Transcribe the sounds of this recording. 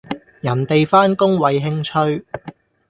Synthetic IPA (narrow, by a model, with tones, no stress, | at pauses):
jɐ˨˩nt̪e˨jfaː˥nkʊ˥ŋwɐ˨˧jɦɪ˥ŋt͡ʃʰɵ˥ɥ